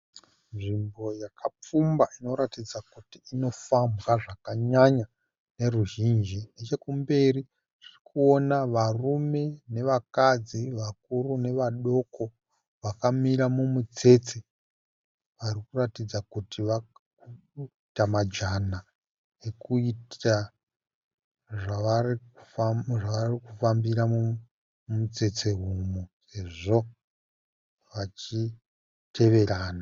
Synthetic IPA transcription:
nʐimbo̞jakʰap͡fumbaʔino̞ɾatid͡zakutiːno̞fambwaʐakaɲaɲa | ne̞ruʒind͡ʒinet͡ʃe̞kumbe̞ri | ʐ̥irikuo̞naʋarume̞ne̞ʋakad͡ziʋak̚uɾune̞ʋaɗo̞ko̞ | ʋakamiɾamumut͡se̞t͡se | ʋarikuratid͡zakutiʋa | u | tamad͡ʒana | ekuita | ʐaaruʐaʋarikufambiɾamu | mut͡se̞t͡se̞ɦumuse̞ʐo̞ | ʋat͡ʃi | tʰe̞ʋe̞ɾaːna

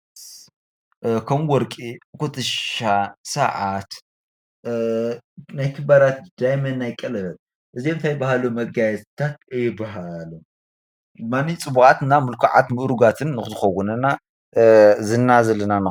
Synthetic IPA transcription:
kʰɐmwɔɾkʼikʰot̪ʰʼɨʃasɐʕat̪ | najk̪ʰɨbaɾat̪̚d̪̥ajmɐnːajkʼɐlɐɐt | ʔɨzint̪ʰajɪbahalumɐɡajɛt̪ʰat̪ɨjɪbaɦalu | manit͡sʼɨbuxʼat̪namɨlkʰaʕa̰t̪mɨʔɾuɡat̪ʰɨnːɨxɨzɨxɐwːʊnɐna | zɨnːazɐlɐnanɨ

